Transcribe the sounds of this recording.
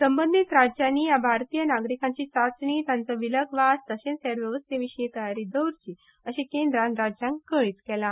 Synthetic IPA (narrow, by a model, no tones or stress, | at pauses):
səmbənd̪ʱit̪ɾad͡ʑjanːiːjabʱaɾt̪ijənaɡɾikãɲt͡ɕiːt͡sat͡sɳiːt̪jãnt͡sɔʋiləɡʋast̪əɕensɛɾʋjəʋəst̪eʋiɕɳit̪əjaɾiːd̪əwɾt͡ɕiː | əɕekẽnd̪ɾãnɾad͡ʑjãŋkkəɭiːt͡skɛla